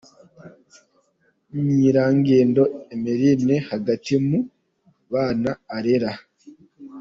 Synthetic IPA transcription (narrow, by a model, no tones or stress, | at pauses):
ɲiːɾaːŋɡeːndo̞emiɾinehaɡatimu | βaːnaːɾeɾa